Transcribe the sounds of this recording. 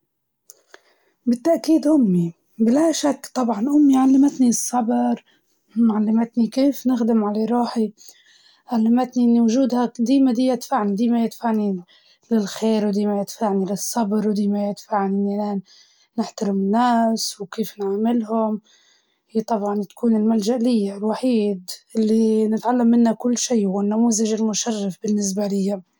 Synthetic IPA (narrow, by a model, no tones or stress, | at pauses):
bɪt̪ːaʔkiːd̪ʔʊmːi | bɪlaʃakːt̪ˤɑbʕɑnʔʊmːiʕalːamɪt̪nisˤːɑbɾ | ʕalːamɪt̪nikeːfnɪxd̪ɪmʕaleɾˤuːħi | ʕalːamɪt̪niʔɪnːiwʊʒuːd̪had̪iːmad̪iːjɪt̪faʕnid̪iːmajɪt̪faʕni | lɪlxeːɾwd̪iːmajɪt̪faʕnilɪsˤːɑbɾwd̪iːmajɪt̪faʕniʔɪnːilaːnː | ɪħt̪aɾɪmɪnːaːswkeːfnʕamɪlɦʊm | t̪ˤɑbʕɑnt̪ḁkuːnɪlmalʒaʔlɪjːalwaħiːd̪ʔɪlːinɪt̪ʕalːamːɪnːakʊlːʃiːwɪnːamuːzaʒɪlmʊʃarˤːɑfbɪnːɪs̬balɪjːa